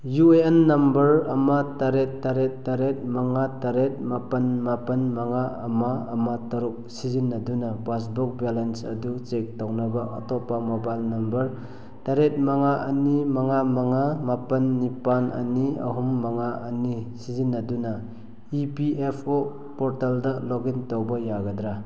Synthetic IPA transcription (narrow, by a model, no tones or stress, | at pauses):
jueenːɐmbɐɾɐmataɾetːaɾeːaɾet̚maŋataɾet̚mapɐnmapɐnmaŋaːmaɐmatɐɾuk̚sizinːadunapas̬buk̚balensɐ̰dut͡ʃek̚tawnabaɐtɔpamabalnɐmbɐɾ | taɾet̚maŋaʔɐnimaŋamaŋamapɐnːipanɐ̰niɐ̰ɦumːaŋaʔɐnisizinːaduna | ipiʔepʰo | pɔɾtaldaloɡintowbɐjaɡadɾa